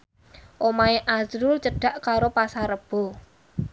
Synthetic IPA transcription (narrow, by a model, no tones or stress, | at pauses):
ʔomaeʔazɾʊlt͡ʃəɖ̥a̤ʔkaɾopasaɾəb̥o̤